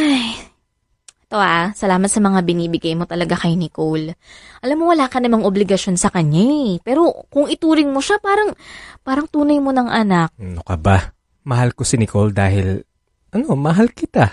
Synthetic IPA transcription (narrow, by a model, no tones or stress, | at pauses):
ʔaj | ʔɛt̪oʔasɐlaːmɐt̪sɐmɐŋabɪniːbɪɡajmo̞t̪ɐlɐɡakɐjnɪkolʔɐlamːowɐlaːkɐnɐmaŋʔoblɪɡɐʃo̞nsɐkɐɲapɛːɾo̞kʊŋɪt̪uːɾɪŋmo̞ʃapaːɾɐŋpaːɾɐŋt̪uːnɐjmo̞nɐŋʔɐnak̚nokɐba | mɐhalkosɪnɪkold̪aːhɪl | ʔɐno̞mɐɦalkɪt̪a